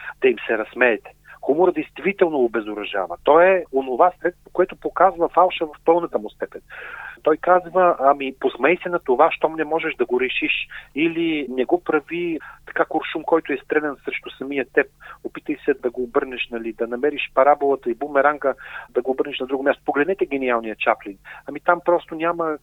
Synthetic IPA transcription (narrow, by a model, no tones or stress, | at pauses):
d̪ɐimsɛɾɐsmɛːt̪ɛ̥xumʊɾəd̪ɛjst̪vit̪ɛlˠnoobɛzʊɾɐʒa̰vət̪ɔɛonovasɾɛt̪t̪vo̥koɛt̪ʊpokazvəfalˠʃəvɐfpɤlˠnət̪əmʊst̪ɛpɛnt̪ɔjkazvəʔɐmiposmɛjsɛnɐt̪ovaʃt̪ɔmnɛmɔʒɛʃd̪ɐɡoɾɛʃiʃilinɛɡɔpɾɐvit̪ɐ̥kakoɾʃumkɔjt̪ʊɛst̪ɾɛlɛnsɾɛʃt̪ʊsɐmijət̪ɛp̚opit̪əjsɛd̪ɐɡoːbɤɾnɛʃnɐlid̪ɐnɐmɛɾiʃpɐɾabolˠət̪əibumɛɾaŋkəd̪ɐɡoːbɤɾnɛʃnɐd̪ɾuɡoʊmʲast̪o̥poɡlɛd̪nɛt̪ɛɡɛnialˠnijət͡ʃapliŋkɐmit̪ampɾɔst̪onʲamə